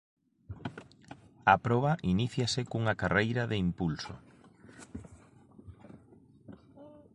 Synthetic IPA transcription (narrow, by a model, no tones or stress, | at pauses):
ɐpɾɔβɐʔiniθjɐsɪkuŋakarejɾɐðeimpulsʊ̰